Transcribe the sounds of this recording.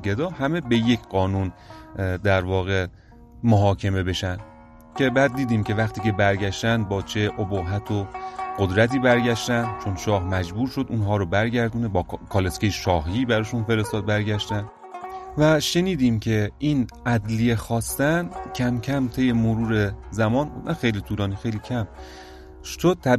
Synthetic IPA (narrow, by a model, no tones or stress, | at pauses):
ɡe̞d̪ɒːhæmebe̞je̞cʰɢɒːnund̪æɾvɒːɣe̞ | moɦɒːkʰe̞me̞be̞ʃænd̪̥ | cʰʲe̞bæːd̪̚ːiːd̪iːmcʲʰe̞væxt̪iːcʰe̞bæɾɟæʃt̪ænd̪̚bɒːt͡ʃʰe̞ʔoboɦæt̪ʰoɢ̥od̪ɾæt̪iːbæɾɡæʃt̪ænd̪t͡ʃʰonʃɒːhmæd͡ʒbuːɾʃo̞d̪unɦɒːɾobæɾɡæɾd̪unebɒːkʰɒːleskʲejeʃɒːɦibæɾɒːʃunfe̞ɾe̞st̪ɒːd̪̚bæɾɡæʃt̪æn | væʃe̞niːd̪iːmkcʰe̞ʔiːnʔæd̪lijexɒːst̪æncʲʰæmcʲʰæmt̪ʰe̞jemoɾuːɾezæmɒːnuæxejliːt̪ʰuːlɒːnixejliːcʰæm | ʃod̪̚t̪ʰæ